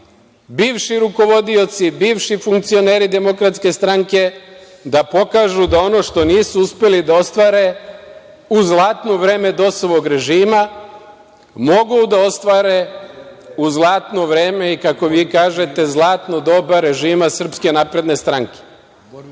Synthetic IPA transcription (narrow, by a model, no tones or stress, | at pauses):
biːʋʃiɾuko̞ʋo̞d̪io̞t̪sibiːʋʃifuŋk̚t̪sio̞neːɾid̪e̞mo̞kɾat̪ske̞st̪ɾaŋke̞ | d̪apo̞kaːʒud̪ao̞no̞ʃt̪o̞niːsuuspe̞lid̪ao̞st̪ʋaːɾe̞ | uzlˠaːt̪no̞ʋɾeːme̞d̪o̞soʋo̞ɡɾe̞ʒiːma | mo̞ɡud̪ao̞st̪ʋaːɾe̞ | uzlˠaːt̪no̞ʋɾeːme̞ikako̞ʋiːkaːʒe̞t̪e̞zlˠaːt̪no̞d̪o̞baɾe̞ʒiːmasr̩pske̞naːpɾe̞d̪ne̞st̪ɾaŋke̥